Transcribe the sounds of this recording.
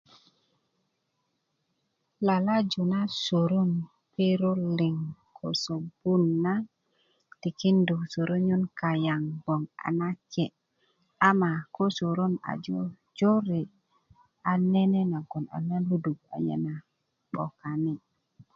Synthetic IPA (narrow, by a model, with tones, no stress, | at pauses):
la˨la˦d͡ʒu˨na˦so˨ɾu˦n | pe˦ɾo˦li˨ŋkʰo˨so˨bu˦nːa˦ | ti˨ki˦ndu˨so˨ɾo˦ɲu˦nka˨ja˨ŋɡo˨ŋa̰˨na˦ke˨ | a˦ma˨ko˦so˨ɾo˦na̰˨d͡ʒo˦ | d͡ʒo˦ɾe˨ | a˨ne˦ne˦na˨ɡo˨na̰˨na˦u˦du˨ɡa̰˨ja̰˦na˨ | ɓo̰˨ka˨ni˦